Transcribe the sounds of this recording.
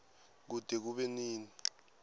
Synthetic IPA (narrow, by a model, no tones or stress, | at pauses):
k̬ud̥ʱɛk̬uɓɛniːni